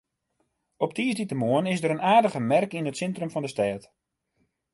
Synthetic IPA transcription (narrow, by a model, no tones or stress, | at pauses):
ɔp̚tiːsditəmoənɪsdəɾənaːrdəɣəmɛrkinətsɛntrəmfɔndəstɛːt